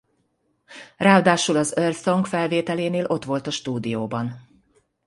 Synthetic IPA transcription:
raːd̪aːʃulɒzølsoŋkfɛlveːt̪ɛleːneːlʔo̞t̪ʋo̞lt̪ɒʃt̪uːd̪ijoːbɒn

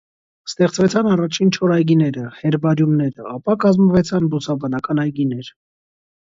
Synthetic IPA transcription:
st̪ɛχt͡svɛt͡sʰɑnɑrɑt͡ʃʰint͡ʃʰɔɾɑjɡinɛɾəhɛɾbɑɾjumnɛɾəɑpɑkɑzməvɛt͡sʰɑnbusɑbɑnɑkɑnɑjɡinɛɾ

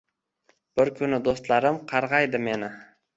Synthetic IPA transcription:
b̥ɪɾkʰʊnɪd̪ost̪laɾɪmqʰɑɾʁɑjd̪ɪme̞nɪ

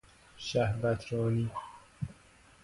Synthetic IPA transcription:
ʃæhvæt̪ʰɾɒːniː

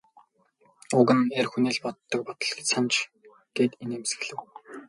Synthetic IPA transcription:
ʊɣɘ̆nerxuneːɮpɔt̪ːɞ̆k̚pɔt̪ɞ̆ɮɡe̥t͡ɕsant͡ɕ | ɡ̥eːt̪eneːmsɡɘ̆ɣɮɘ̆w

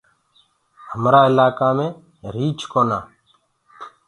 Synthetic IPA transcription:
həmɾaːɪlaːkaːmẽː | ɾiːt͡ʃkoːna̰ː

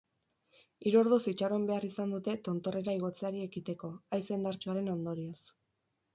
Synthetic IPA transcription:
iɾuoɾðosit͡ʃaro̞mbe̞arisand̪ut̪e̞t̪o̞nt̪o̞re̞ɾaiɣ̞o̞t͡seaɾie̞kit̪e̞ko̞ajse̞nd̪aɾt͡ʃuaɾe̞no̞nd̪o̞ɾio̞s

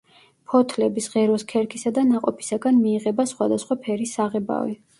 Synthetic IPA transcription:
pʰɔt̪ʰlɛbisʁɛɾɔskʰɛɾkʰisad̪anaqʼɔpʰi̥saɡanmiːʁɛbasχwad̪asχwapʰɛɾisːaʁɛba̰vɛ̰

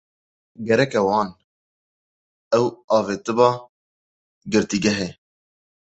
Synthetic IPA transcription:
ɡɛɾɛkɛwɑːn | ɛwɑːveːt̪ɨbɑː | ɡɨɾt̪iɡɛɦeː

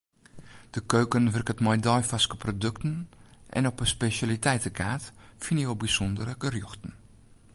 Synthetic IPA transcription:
d̥əkøːkənʋɵrkətmɔjdɔjfaskəprodøktənʔɛ̰nɔpəspesalitɛjtəkʰaːtfinjowbisɔndərəkərjoxtn̩

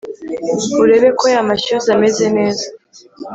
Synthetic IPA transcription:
uɾe̞βe̞ko̞jamaʃuzame̞ze̞ne̞ːza

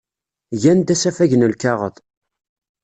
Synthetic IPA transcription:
ʝænd̪æsæfæʝnəlkɑʁə̰ðˤ

